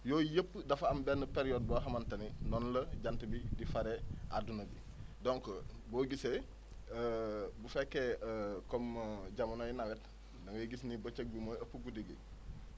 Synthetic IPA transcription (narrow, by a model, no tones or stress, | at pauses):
jɔːjəpːdɐfɐmbɛnːəpeɾijoːd̚boɦɐmɐntɐninɔnlɐɟantəbidifaɾeʔadunɐbḭ | dɔŋkbɔːɡise | bufɛkːekɔmɟamɐnojinawɛt | nɐŋəɡisnibət͡ʃək̚bimoəpːəɡudiɡḭ